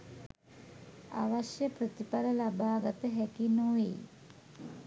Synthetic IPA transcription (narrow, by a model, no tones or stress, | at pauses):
a̰ʋaʃjəpɾət̪ipaləlabaːɡat̪əɦɛkinoʋḛ